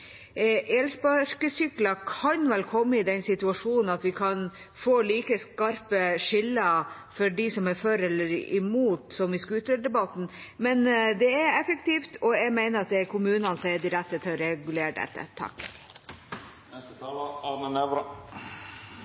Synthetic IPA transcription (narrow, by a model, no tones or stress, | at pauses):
ʔeːlspɑɾkəsʏklɑkʰɑnʋɛlkʰɔmːəɪd̪ɛnsɪt̪ʉɑʂuːnn̩ɑt̪ʋɪkʰɑn | foːliːkəskɑɾpəʂɪlːə | fɔɖisɔmæɾfɔɾɛlːəɾɪ̰muːt̪sɔmʋɪskʉːt̪ɾøːɖɛbɑt̪ːn̩mɛnd̪ɛæɾɛfəkt̪iːft̪ʰɔɛɡmæɪnəɾɑt̪̚d̪ɛæɾkʰʊmʉːnɑnsæɪdɪɾɛt̪ːət̪ʰɾɛɡʉleːɾɖɛ̰t̪ːə̰t̪ʰɑ̰kː | nɛst̪ət̪ʰɑːləɑnənɛʋɾɑ